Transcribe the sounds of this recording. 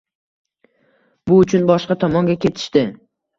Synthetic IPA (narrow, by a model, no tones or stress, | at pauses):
bʊʊt͡ʃʰʊnbɒʃqɑt̪ʰɒmɒŋɡʲakʲʰe̞t̪ʰɪ̥ʃt̪ɪ